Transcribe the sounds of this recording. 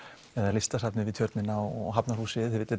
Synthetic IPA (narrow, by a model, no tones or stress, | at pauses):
ɛðaɛɾlɪst̪asap̪nɪvɪðt̪ʰjœɾt̪nɪnːaɔɔ̰ɦapnaɾruːsɪðθvɪt̪ːɪ